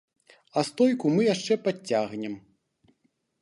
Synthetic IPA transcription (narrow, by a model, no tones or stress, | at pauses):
ɐst̪ɔjkumɨjaʂt͡ʂɛpat͡sʲːaɣnʲɛm